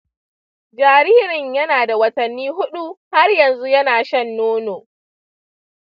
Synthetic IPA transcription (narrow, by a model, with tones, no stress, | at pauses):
d͡ʒaː˨ɾiː˦ɾɪ˨ɲjɐ˦naː˨da˨wɐ˦tɐ˨nːiː˦ɦʊ˦ɗu˦ha˦rjɐ˨nzu˦jɐ˦naː˨ʃɐ˦nːoː˦noː˨